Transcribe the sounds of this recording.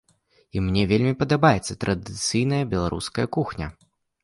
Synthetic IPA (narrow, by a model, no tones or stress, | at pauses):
imnʲɛvʲelʲmʲipɐd̪abajɛt̪sːɐt̪ɾʔɐd̪ɨt̪sɨjnɐjɐbʲɛlˠaɾʔṵskɐjɐkuxnʲɐ̰